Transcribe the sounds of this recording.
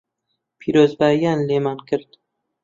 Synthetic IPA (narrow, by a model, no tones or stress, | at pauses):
pʰiɾoːzbaːjanleːmankʰɨɾd̪̥